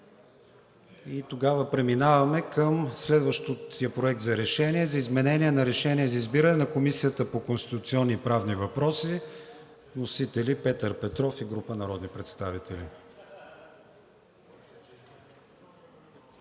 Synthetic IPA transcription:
it̪oɡavəpɾɛminavɐmɛkəmslɛd̪vəʃt̪ot̪ijəpɾoɛk̚t̪zɐɾɛʃɛnʲiɛzɐizmɛnɛnʲiɛnɐɾɛʃɛniɛzɐizbiɾənɛnɐkomisijət̪əpokonst̪it̪ut̪siɔnːipɾavnivɐpɾɔsi | vnosit̪ɛlipɛt̪əɾpɛt̪ɾɔfiɡɾupənɐɾɔd̪nipɾɛt̪st̪avit̪ɛli

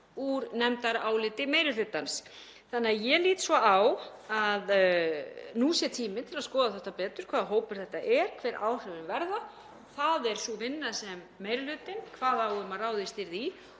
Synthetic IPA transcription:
uɾnɛmt̪aɾaːwlɪːt̪ɪmeːjɾʏlʏt̪ːans | θanːɪaðjɛliːt̪svɔawað | nuːsjɛt̪ʰiːmɪt̪ʰɪlaðskɔːðaθɛht̪apɛːt̪ʏɾ̥kʰv̥aːðɦoːwpʏɾ̥θɛht̪ːaʔɛɾ̥kʰv̥ɛːɾʔa̰ːwr̥œvɪnvɛɾða | θaðɛɾ̥suvɪnːasɛmːeːjɾʏlʏːt̪ɪnkʰvaːðawʏmaraːwðɪst̪ɪɾði

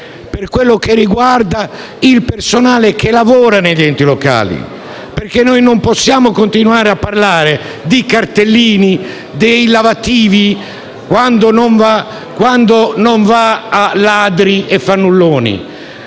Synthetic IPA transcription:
perkwelːokerːiɡward̪a | ilpersonaːlekʰelavɔːɾaneʎɛnt̪ilɔka̰ːlḭ | peɾkenːojnompɔsːjaːmokont̪inuaːɾeapːarlaːɾe | d̪ikart̪elːiːni | d̪ejlavat̪ːiːvi | kwand̪onoɱva | kwand̪onoɱvaːlaːd̪ɾiʔefːanːulːɔːnḭ

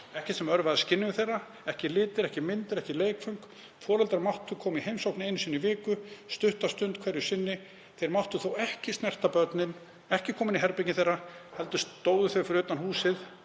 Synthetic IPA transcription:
ɛhcɪt̪sɛmœɾvaðscɪnːɪvɪθejra | ɛhcɪlɪːt̪ɪɾɛhcɪmɪnt̪ɪɾɛhcɪleːjkfœŋk | fɔːlɛlt̪aɾmawht̪ʏkʰɔːmihejmsowknɪejnsiːnʏvɪːkʏst̪ʏht̪ast̪ʏnt̪kʰvɛːɾjʏ̥sɪnːɪ | θejɾmawht̪ʏθowɛhcɪst̪nɛr̥t̪apœɾt̪nɪn | ɛhcɪkʰɔːmɪniɦɛɾpecnɪθejrːahɛlt̪ʏst̪oːwðʏθœfɪɾʏːt̪anhuːsɪð

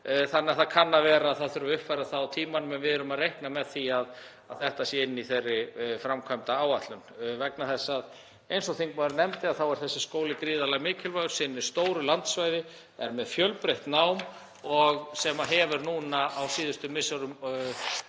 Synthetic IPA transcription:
θanːɪaθaðkʰanːavɛːɾaːðθaðθʏɾʏʏhpfajɾaθawt̪ʰiːmanʏmɛnvɪðɛɾʏmaðrejhknamɛðθiað | aðθɛht̪asjɛɪnːiθejrːɪfɾamkʰvajmt̪aaːwat̪lʏnvɛknaθɛsːað | ejnsɔθejŋkmaðɾnɛmt̪ɪaðθawɛɾ̥θɛsːɪskoːwlɪkɾiːðalaɣmɪːcʰɪlvajɣʏ̥sɪnːɪ̥st̪oːwɾʏlant̪svajðɪ | ɛɾmɛðfjœlpɾeht̪nawm | ɔɣsɛmaɦɛvɪɾnuːnaawsiːðʏst̪ʏmɪsaɾʏm

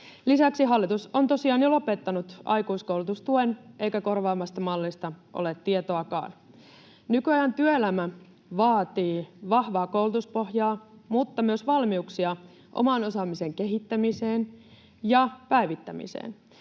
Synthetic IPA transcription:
lisæksiɦɑlːit̪uso̞nt̪o̞siɑːnjolo̞pet̪ːɑnut̪ɑ̰jkuiskowlut̪ust̪uenʔe̞jkæko̞rʋɑːmɑst̪ɑmɑlːist̪ɑʔo̰let̪ːiet̪oɑkɑ̰ːn | nykyɑjɑnt̪yøelæmæ | ʋɑːt̪iːʋɑhʋɑːkowlut̪uspo̞hjɑːmut̪ːɑmyøsʋɑlmiuksiɑ | ʔo̰mɑno̞sɑmise̞ŋke̞ɦit̪ːæmiseːn | jɑpæiʋit̪ːæmḭsḛːn

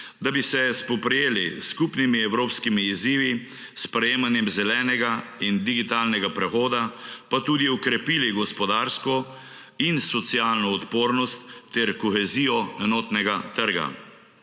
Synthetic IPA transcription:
d̪abisɛspɔpɾɛjeːlḭskupnimiɛwɾoːpskimiːziːʋi | spɾɛjeːmanjɛmzɛlɛːnɛɡaind̪iɡit̪aːlnɛɡapɾɛxoːd̪apat̪uːd̪iɔkɾɛpiːliɡɔspɔd̪aːɾskɔ | insɔt̪siaːlnɔɔt̪poːɾnɔst̪ːɛɾkɔxɛziːjɔɛnɔːt̪nɛɡat̪əɾɡa̰

